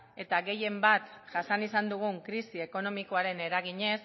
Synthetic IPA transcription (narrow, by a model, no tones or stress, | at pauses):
e̞t̪aɣe̞je̞mbat̪ʝasanisand̪uɣ̞uŋkɾisie̞ko̞no̞miko̞aɾe̞ne̞ɾaɣ̞iɲe̞s